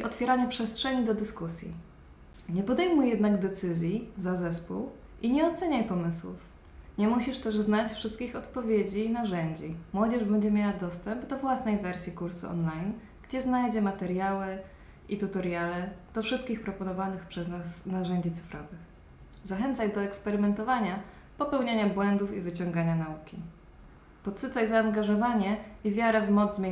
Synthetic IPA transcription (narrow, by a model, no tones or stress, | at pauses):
iʔɔt̪fʲjɛɾaɲɛpʂɛstʂɛɲid̪ɔd̪ɘskusʲjḭ | ɲɛpɔd̪ɛjmujjɛd̪naɡd̪ɛt̪sɘzʲjizazɛspṵw | ʔiɲɛɔt̪sɛɲajpɔmɘswṵf | ɲɛmuɕiʂt̪ɛʐznat͡ɕfʂɘst̪̚kʲixɔt̪pɔvʲjed͡ʑiːnaʐɛɲd͡ʑimwɔd͡ʑɛʐbɛɲd͡ʑɛmʲjawad̪ɔst̪ɛmbd̪ɔvwasnɛjvɛɾsʲikuɾsṵɔ̰nlajn | ɡ̥d͡ʑɛznajd͡ʑɛmat̪ɛɾjawɘ | ʔit̪ut̪ɔɾjalɛd̪̥ɔfʂɘst̪̚kʲixpɾɔpɔnɔvanɘxpʂɛznsnaʐɛɲd͡ʑit̪sɘ̥fɾɔvɘx | zaxɛnt̪sajd̪ɔɛkspɛɾɘmɛnt̪ɔvaɲa | pɔpɛwɲaɲabwɛnd̪ufivɘt͡ɕɔŋɡaɲanaukʲḭ | pɔt̪sɘt̪sajzaːŋɡaʐɔvaɲɛivʲjaɾɛvmɔd̪zzmʲe